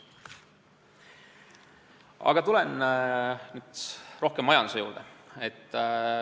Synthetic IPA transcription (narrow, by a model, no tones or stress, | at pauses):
ɑ̰ɡ̥ɑt̪ulen | nyːd̪̥ro̞hkemːɑjɑnd̪usejṵːɾd̪eet̪ː